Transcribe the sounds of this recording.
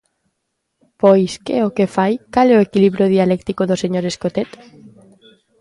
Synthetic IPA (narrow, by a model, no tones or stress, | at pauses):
pojskeokefajkalɛoekiliβɾjoð̞ialɛkt̪ikoðoseɲoɾeskot̪et̪